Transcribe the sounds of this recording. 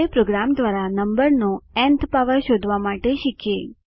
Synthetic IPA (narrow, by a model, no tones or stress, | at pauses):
epɾoɡɾamd̪ʋaɾanəmbəɾnoɛ̃nt̪ʰpaʋəɾʃod̪ʱʋamaʈeʃɪkʰje